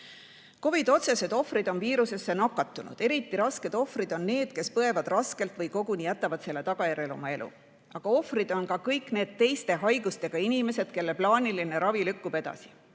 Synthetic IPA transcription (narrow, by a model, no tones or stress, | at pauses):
ko̞vid̪̥o̞t̪se̞se̞d̪̥o̞frid̪̥o̞nviːɾuse̞sːe̞nɑkːˑɑt̪ːˑunṵd̪̥e̞ɾit̪ːˑiɾɑske̞d̪̥o̞frid̪̥o̞nːe̞ːd̪̥ke̞spɤe̞vɑd̪̥rɑske̞lt̪ˑvɤjko̞ɡ̥unijæt̪ːˑɑvɑd̪̥se̞lːe̞t̪ɑɡ̥ɑjæɾe̞lo̰mɑe̞lʔṵ | ɑɡ̥ɑo̞frid̪̥o̞nkɑkɤjkne̞ːd̪̥̚t̪e̞jst̪e̞ɦɑjɡust̪e̞ɡ̥ɑinime̞se̞d̪̥ke̞lːeplɑːniline̞ɾɑvilykːub̥e̞d̪ɑ̰si̥